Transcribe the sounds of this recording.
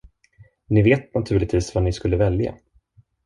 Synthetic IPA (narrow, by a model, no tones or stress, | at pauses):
nɪveːt̪̚nat̪ʰʉ̟ːɭɪt̪viːsvanɪskɵlːəvɛlja̰